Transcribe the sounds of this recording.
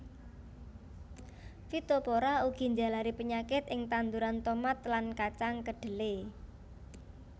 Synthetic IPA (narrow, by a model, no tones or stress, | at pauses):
fit̪opoɾauɡ̥i̤ɲd͡ʒa̤laɾipəɲakɪt̪ɪŋt̪and̪uɾant̪omat̪lankat͡ʃaŋkəɖ̥ə̤le